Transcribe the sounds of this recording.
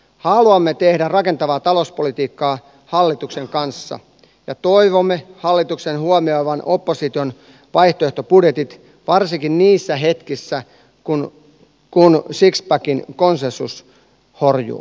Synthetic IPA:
hɑluɑmːet̪ehdærɑke̞nt̪ɑʋɑːt̪ɑlospolit̪iːkːɑː | hɑlːit̪ukseŋkɑnsːɑ̰ | jɑt̪oiʋomːehɑlːit̪uksenhuomioiʋɑnopːosit̪ion | ʋɑjht̪oeht̪opudjet̪it̪ | ʋɑrsiŋkinniːsːæɦet̪kisːæ | kun | kunsikspækinkonsensus | horjṵː

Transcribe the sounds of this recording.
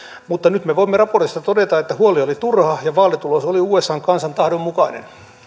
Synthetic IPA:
mut̪ːɑnyt̪meʋoimːerɑport̪ist̪ɑt̪odet̪ɑet̪ːæhuoliolit̪urhɑjɑʋɑːlet̪ulosoliuːesːɑːŋkɑnsɑnt̪ɑhdommukɑinḛn

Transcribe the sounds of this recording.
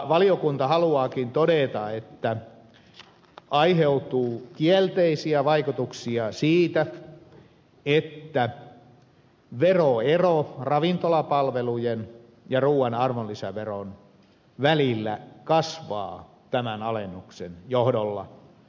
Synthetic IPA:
ʋɑliokunt̪ɑhɑluɑːkint̪odet̪ɑet̪ːæ | ɑiheut̪uːkiælt̪eisiæʋɑikut̪uksiɑsiːt̪æ | et̪ːæ | ʋeroerorɑʋint̪olɑpɑlʋelujen | jɑruːɑnɑrmolːisæʋeron | ʋælilːæ̰kɑsʋɑ̰ː | t̪æmænɑlenːuksḛnjohdolːɑ̰

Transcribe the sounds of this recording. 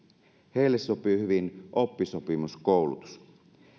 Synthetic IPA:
heilːessopihyʋinʔopːisopimuskoˑwlut̪u̥s

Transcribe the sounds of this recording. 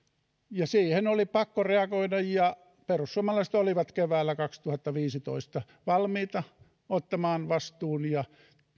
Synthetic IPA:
jɑsiːhenolipɑkːoreɑkoidɑjjɑ | perusːuɑmɑlɑiset̪oliʋɑt̪keʋæːlːækɑkst̪uhɑt̪ːɑʋiːsit̪o̰ist̪ɑ | ʋɑlmiːt̪ɑ | ot̪ːɑmɑːnʋɑst̪uːnjɑ

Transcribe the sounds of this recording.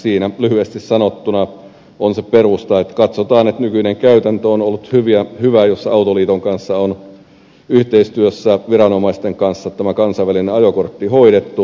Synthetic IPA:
siːnælyhyest̪issɑnot̪ːunɑ | onseperust̪ɑet̪kɑt̪sot̪ɑːnet̪nykyneŋkæyt̪ænt̪øonolːut̪hyʋiæhyʋæjosːɑɑut̪oliːt̪oŋkɑnsːɑon | yht̪eist̪yøsːæʋirɑnomɑist̪eŋkɑnsːɑt̪æmækɑnsɑiʋælineɑjokort̪ːihoiɾet̪ːu

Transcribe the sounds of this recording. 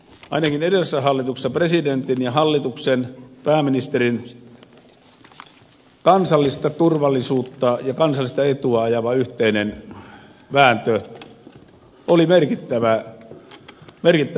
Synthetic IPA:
ʔɑ̰inɑkinedesːæhɑlːit̪ukse̥sːɑpresident̪injɑhɑlːit̪uksenpæːminist̪erin | kɑnsɑlːist̪ɑt̪urʋɑlːˑisuːt̪ːɑjɑkɑnsɑlːˑist̪ɑet̪uɑɑjɑʋɑyht̪einen | ʋæːnt̪ø | olimerkit̪ːæʋæ | merkit̪ːæ

